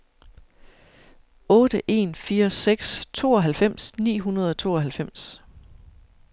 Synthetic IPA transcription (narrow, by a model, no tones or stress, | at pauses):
ɔ̽ːd̥əʔe̝̰ːnfiːɐseɡ̥st͡sʰo̝̰ːɒ̽ɦælfem̰snḭːɦunɐð̞ˠɒ̽t͡sʰo̝̰ːɒ̽ɦælfem̰s